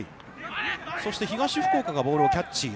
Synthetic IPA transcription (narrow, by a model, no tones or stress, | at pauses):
ḭ | so̞ɕi̥t̪e̞çiɡaɕiɸɯ̟̥ko̞ːkaɡaboːɾɯ̟okʲat͡ɕːi